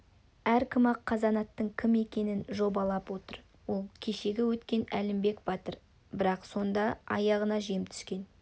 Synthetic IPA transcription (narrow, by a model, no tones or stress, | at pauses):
æɾkʲʰɪmɑqʰːɑzɑnɑt̪ːəɴkʲʰɪme̞kʲe̞nɪnʒo̞bɑlˠɑpwo̞t̪əɾ | wo̞lˠkʲʰe̞ʃe̞ɡʲɪwɵt̪kʲe̞nælɪmbe̞kbɑt̪əɾ | bɪɾɑqso̞nd̪ɑɑ̰jɑʁənɑʒijɪmt̪ʰʏ̥skʲe̞n